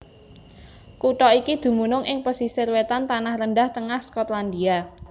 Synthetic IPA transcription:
kuʈɔikid̪̥ṳmunʊŋʔɪŋpəsisɪrwet̪ant̪anahrənɖaht̪əŋahskɔt̪land̪ia

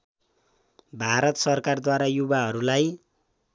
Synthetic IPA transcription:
bʱaɾʌt̪sʌrkard̪waɾajubaɦʌɾulaj

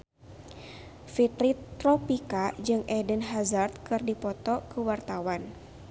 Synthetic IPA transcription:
fit̪ɾit̪ːɾɔpikad͡ʒɨŋʔɛdənɦazart̪̚kɨrdipɔt̪ɔkəwart̪awan

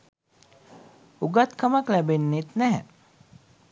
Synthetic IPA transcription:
uɡat̪kamaklæbenːet̪næɦɛ̰

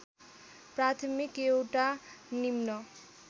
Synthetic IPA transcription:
prat̪ʰʌmikewʈanimnʌ

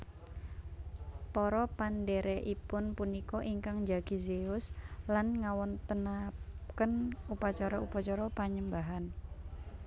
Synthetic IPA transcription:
pɔɾɔpandeɾɛʔipʊnpunikɔʔiŋkaŋd͡ʒaɡ̥izeʊslanŋawɔnt̪ənakənupat͡ʃaɾɔupat͡ʃɔɾɔpaɲəmbaɦan

